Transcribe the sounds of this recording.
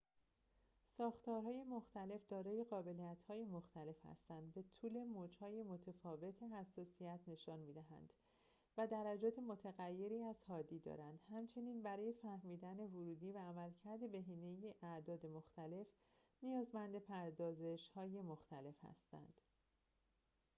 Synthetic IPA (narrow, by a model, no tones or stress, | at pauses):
sɒːxt̪ɒːɾɦɒːje̞mo̞xt̪æle̞fd̪ɒːɾɒːje̞ɣɒːbe̞lijæt̪ʰhɒːje̞moxt̪æle̞fhæ̰st̪ænd̪be̞t̪ʰuːle̞moːd͡ʒhɒːje̞mo̞t̪ʰe̞fɒːve̞t̪ʰeɦæsːɒːsijæt̪ʰne̞ʃɒːnmiːd̪æɦæ̰nd̪̥ | væd̪æɾæd͡ʒɒːt̪ʰe̞mo̞t̪ʰeɣæjːe̞ɾiːæzhɒːd̪iːd̪ɒ̰ːɾænd̪̥hæmt͡ʃʰe̞niːnbæɾɒːje̞fæhmiːd̪æne̞voɾuːd̪iːvæːmælcʰæɾd̪e̞be̞ɦiːne̞jeʔæd̪ɒːd̪e̞moxt̪æle̞f | nijɒːzmænd̪e̞pʰæɾd̪ɒːze̞ʃhɒːje̞moxt̪æle̞fhæ̰st̪æ̰nd̪̥